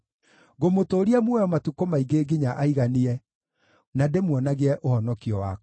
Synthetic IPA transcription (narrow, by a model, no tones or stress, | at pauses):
ɣomotoːɾiamwɔjɔmatukomaiɡeɡeɲaʔaiɣaniɛ | nademwɔnaɣeɛʔohɔnɔkiɔwa